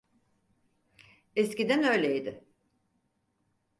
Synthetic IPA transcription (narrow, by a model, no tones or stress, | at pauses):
ɛscid̪ænø̞jlʲeid̪ɪ